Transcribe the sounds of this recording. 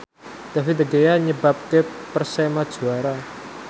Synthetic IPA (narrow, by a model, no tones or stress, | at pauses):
d̪̥avit̪əɡejaɲəbap̚kepərsɛmad̥ʒ̥ṳaɾa